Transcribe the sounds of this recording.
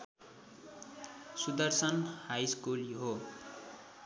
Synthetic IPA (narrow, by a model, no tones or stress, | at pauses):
sud̪ʌrsʌnhajskulɦo